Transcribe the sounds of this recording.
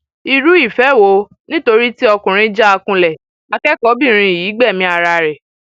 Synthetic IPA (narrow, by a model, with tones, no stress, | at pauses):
i˧ɾu˦i˦˨fɛ˨˦wo˧˦ | nĩ˦to˧ɾi˦ti˦ɔ˧kũ˨ɾ̃ĩ˧˦d͡ʒa˦a˧kũ˧lɛ˨ | a˧kɛ˦kɔ˨˦bĩ˦˨ɾ̃ĩ˧i˨ji˨˦ɡ͡bɛ˦˨mĩ˧˦a˧ɾa˧ɾɛ˨